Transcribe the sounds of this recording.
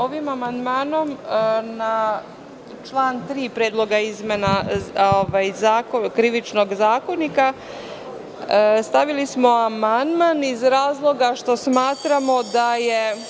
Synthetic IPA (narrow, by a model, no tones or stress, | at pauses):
oʋimamand̪maːno̞mna | t͡ʃlˠaːnt̪ɾiːpɾeːd̪lˠo̞ɡaizmenaoʋajzaːkokɾiʋit͡ʃno̞ɡzaːko̞nika | st̪aʋilismo̞amand̪manizɾaːzlˠo̞ɡaʃt̪o̞smaːt̪ɾamo̞d̪aje